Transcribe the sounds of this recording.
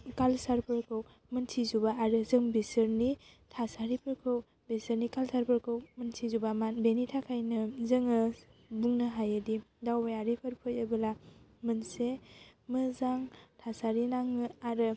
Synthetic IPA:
kalsaɾpʰɯɾkʰɯw | mɯntʰizubaːɾɯzɯŋbesəɾni | tʰasaɾipʰɯɾkʰɯw | besəɾnikalsaɾpʰɯɾkʰɯwməntʰizubamanbenitʰakʰajnɯzɯŋɯbuŋnɯɦajɯdidawbajaɾipʰəɾpʰɯjəbɯlamɯnsemɯzaŋtʰasaɾinaŋɯaɾɯ

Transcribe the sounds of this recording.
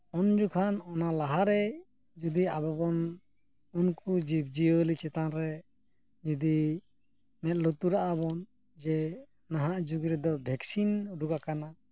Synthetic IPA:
ɔnd͡ʒukʰanɔnalaɦaɾɛ | d͡ʒud̪iabɔbɔn | unkud͡ʒib̚d͡ʒiolit͡ʃɛt̪anɾɛ | d͡ʒud̪i | mɛt̪̚lot̪uɾaʔabɔn | d͡ʒɛ | naɦaʔd͡ʒuɡiɾɛd̪ɔbʱɛksinɾuɡakana

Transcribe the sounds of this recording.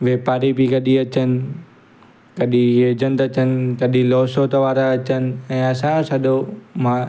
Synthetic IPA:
ʋeːpaːɾibikɐɗiɐt͡ɕənɪ̆ | kɐɗĩjeːd͡ʑənt̪ɐt͡ɕənɪ̆kɐɗĩloːsot̪ɐʋaːɾaɐt͡ɕənɪ̆ɛ̃ːɐsãsɐɗomã

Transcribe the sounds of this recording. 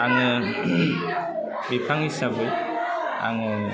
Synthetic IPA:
aŋɯ | bipʰaŋisabɯj | a̰ŋɯ

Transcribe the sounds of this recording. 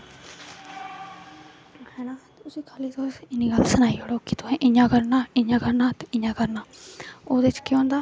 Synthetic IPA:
ɛːnaːt̪ʊsiːkʰaːliːt̪osɪniːɡəlsənaːiːəɽoːkɪt̪ʊɦɛ̃ʔɪɲãːkəɾnaːɪɲãːkəɾnaːt̪ɪ̃ɲãːkəɾnaːoːd̪et͡ʃkjõːnd̪aː

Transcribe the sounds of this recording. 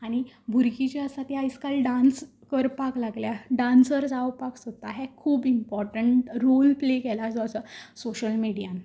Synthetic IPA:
aɽ̃ibʱuɾkit͡ɕaəsat̪iajskalɖãns | kəɾpaklaɡljaɖãnsəɾd͡zawpaksot̪aɦekʰuːbimpɔɾʈəɳʈɾolplekɛlasoəsəsoɕəlmiɽijãn

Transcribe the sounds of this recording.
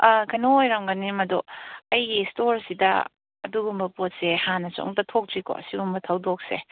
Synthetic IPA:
ɐkʰɐnoojɾaŋɡɐnimɐdoɐjɡistoɾsidɐ̰ | ɐduɡumbɐpot̚sehanɐt͡ʃo̰ŋtɐtʰok̚tiko̰ɐ̰siɡumbɐtʰɐwdok̚se

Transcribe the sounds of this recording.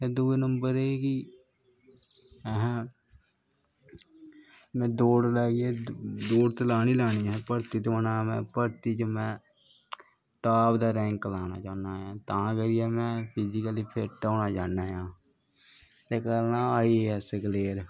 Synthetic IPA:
ɛ̃ːd̪uːeːnəmbəɾeːki | ɛɦɛ̃ː | mɛ̃ːd̪oːɽlɛːɡiɛːd̪oːɽt̪laːniːlaːñiːɛ̃ːpəɾt̪iːt̪ːənaːmɛ̰̃ːpəɾt̪iːt͡ʃəmɛ̃ː | ʈaːpd̪aːɾɛ̃ːŋklaːna̰ːt͡ʃaːnaːjãːt̪ãːɡəɾijaːmɛ̃ːpʰiːzɪkəliːpʰeʈaːnaːd͡ʒaːnaːjãː | t̪eːkəɾnãːaːieːɦɛsəkleːɾ

